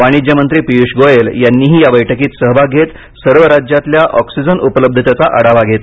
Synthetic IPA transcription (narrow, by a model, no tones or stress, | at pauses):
ʋaɽ̃id͡ʑjəmənt̪ɾiːpijuʂɡojeljanːiːɦiːjaʋəjʈʰəkiːt̪səɦʋaɡʱet̪ | səɾʋəɾad͡ʑjat̪ljaʔɔksid͡zənʔupələb̚d̪ʱət̪jat͡saʔəɽaʋaɡʱet̪